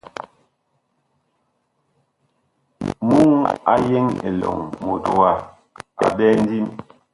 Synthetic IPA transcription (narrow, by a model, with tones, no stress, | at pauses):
mu˦ŋa̰˦je˦ŋḛ˨lɔ̰˨ŋmo˨to˨wa˦ | a̰˨ɓɛ˦n˦di˦m